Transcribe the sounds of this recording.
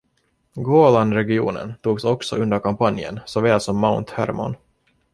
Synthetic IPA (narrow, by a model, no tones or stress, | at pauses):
ɡoːland̪ɾɛɡɪṵːnə̰nt̪uːɡsɔksɔ̰ɵnd̪əɾkampanjə̰nsɔvɛːlsɔmːaʊnt̪hæ̰ɾmɔ̰n